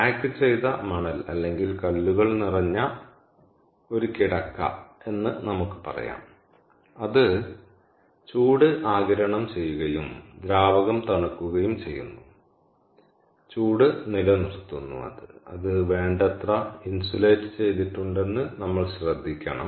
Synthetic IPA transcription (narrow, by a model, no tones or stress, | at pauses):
aːkːɨt͡ɕe̞jt̪ɐmɐɳɐlɐ̰lːe̞ŋɡilkɐlːuɣɐɭnirɐɲːɐ | o̞ɾukiɽɐkːɐ̰e̞nːɨnɐmukːɨ̥pɐ̰rɐ̰ja̰ːm | ɐðɨ | t͡ɕuːɽɨʔaːɡɐɾɐɳɐmt͡ɕe̞jːuɣɐjumd̪ɾaːʋɐɣɐmt̪ɐɳɐkːuɣɐjumt͡ɕe̞jːṵnːu | t͡ɕuːɽɨnilɐnirt̪ːunːṵɐ̰ðɨɐ̰ðɨʋe̞ːɳɖɐt̪rɐinsuleːtːɨ̥t͡ɕe̞jt̪̬iʈːuɳɖe̞nːɨnɐmːɐɭɕrɐd̪ʱːikʲːɐ̰ɳɐ̰m